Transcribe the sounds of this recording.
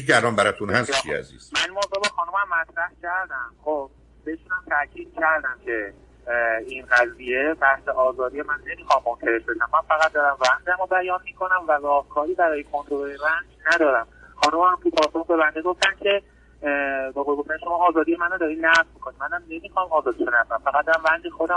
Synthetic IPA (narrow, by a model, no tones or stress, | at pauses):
ɟæɾɒmbæɾɒt̪ʰunhæst͡ʃʰiæ̰zḭz̥mænimozoːbexɒːnumæmːæt̪ʰɾæhcʲʰæɾd̪æmxob | b̥eeʃuːnæmt̪ʰæʔcʰiːd̪̥̚cʰæɾd̪æmcʰe̞ | inɢæzije̞bæhseʔɒːzɒːd̪ijemænne̞mixɒmːonkʰæɾe̞ʃbe̞ʃæmːænfæɣæt̪̚d̪ɒːɾæmvænd̪æmobæjɒnmiːkʰo̞næmværɒːhkʰɒːɾiːbæɾɒːjekʰo̞nt̪ʰɾolojevænd͡ʒnæd̪ɒːɾæmxɒːnomæmt̪ʰupʰɒːsoxbe̞bænd̪eɡo̞ft̪æmcʰe̞ | beɣojeɡoft̪æniʃo̞mɒːzɒːd̪ijemænod̪ɒɾiːnæʁzbokʰo̞nimænæmne̞mixɒmɒːzɒːd̪iʃonækæmfæɣæd̪ːæmvænd̪exod̪æ